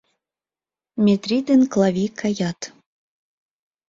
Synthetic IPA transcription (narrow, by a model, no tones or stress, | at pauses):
mʲet̪rʲid̪ɘnklˠɑvʲikʰɑjɑt̪